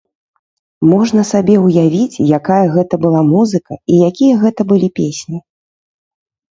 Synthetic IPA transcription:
mɔʐnɐsabʲɛwjavʲit͡sʲjakajɐɣɛt̪ɐbɨlˠamuzɨkɐijakʲijɐɣɛt̪ɐbɨlʲipʲesʲnʲi

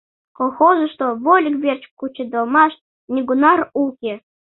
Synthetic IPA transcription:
kolˠxoʒə̆ʃt̪oβolʲkβʲert͡ɕkut͡ɕed̪olˠmɑʃ | nʲiɡunɑrukʲe

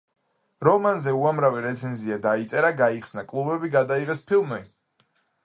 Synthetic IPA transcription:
ɾɔmanzɛuamɾaviɾɛt̪sʰɛnziad̪ait̪sʼɛɾaɡaiχsnakʼlˠubɛbiɡad̪aiʁɛspʰilˠmi

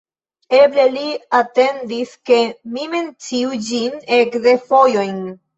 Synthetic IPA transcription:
e̞ble̞liate̞ndiske̞mime̞nt͡siud͡ʒine̞kde̞fo̞jo̞jn

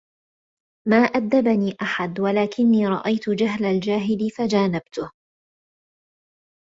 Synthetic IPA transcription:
maːʔad̪ːabaniːʔaħad̪walaːkɪnːiːɾˤɑ̰ʔajt̪ʊd͡ʒaɦlald͡ʒaːɦɪlɪfad͡ʒaːnabt̪ʊh

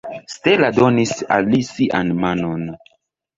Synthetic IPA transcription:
steladonisa̰lːisiʔanmanon

